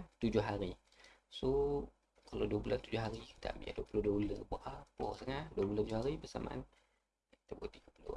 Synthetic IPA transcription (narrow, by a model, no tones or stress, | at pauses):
t̪ud͡ʒʊhɦaɾi | so | kala̰duəbulant̪ud͡ʒʊɦaɾii̥t̪a̰ʔmḭa̰duapulohduəbuləbuaʔapɔsəŋaduəbulant̪ud͡ʒʊhɦaɾibəsa̰ma̰ʔa̰n | ki̥t̪abt̪iɡəpulo̰